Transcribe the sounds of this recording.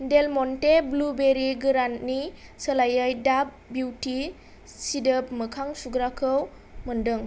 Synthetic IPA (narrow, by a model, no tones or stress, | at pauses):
delmɔnteblubeɾiɡɯɾantnisəlajəjdap̚buwti | sidəp̚mɯkʰaŋsuɡɾakʰɯw | məndɯŋ